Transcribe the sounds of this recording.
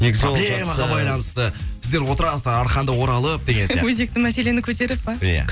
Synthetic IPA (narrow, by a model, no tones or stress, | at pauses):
neɡʲɪzojmɑʁɑbɑjlˠɑnəst̪əb̥ɪzd̪e̞ɾwo̞t̪əɾɑsd̪əɾɑɾχɑnd̪əwo̞ɾɑlˠəp̚d̪eɡʲenwɵze̞k̚t̪ɪŋmæse̞le̞nɪkʲʰɵt̪e̞ɾɪpːɑjæ̰